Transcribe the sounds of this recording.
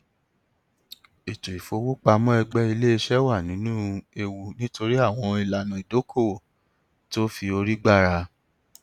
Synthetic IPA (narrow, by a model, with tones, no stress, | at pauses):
e˨tu˨i˨fo˨˧wo˦k͡pa˧mɔ̃˦ɛ˧ɡ͡bɛ˦i˧le˦e˧ʃɛ˦wa˦˨nĩ˨˦nũ˦e˧wu˧nĩ˦to˧ɾi˦a˦˨w̃ɔ̃˧i˨la˨nũ˨i˨do˨˦kʰo˦˨o˨ | to˦fi˧o˧ɾi˦ɡ͡ba˦˨ɾa˧